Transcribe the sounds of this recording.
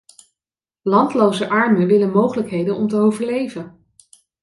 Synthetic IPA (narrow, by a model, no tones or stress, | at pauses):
lɑntlowzəʔɑɹməʋɪlənmowχələkɦejdənɔmtəowvəɹlejvən